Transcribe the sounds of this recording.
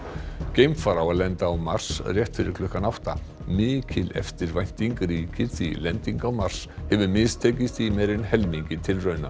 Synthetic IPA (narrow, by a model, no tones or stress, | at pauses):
cejmfaɾawalɛnt̪aːwmar̥srjɛht̪fɪɾɪɾkʰlʏhkanawht̪a̰ | mɪːcɪlɛ̰ft̪ɪɾvajn̥t̪iŋkɾiːcʰɪ̥θḭlɛnt̪iŋkawmar̥shɛvʏɾmɪst̪ʰɛːcɪsθvimɛɾɪnhɛlmiɲcɪt̪ʰɪlrœːɥna̰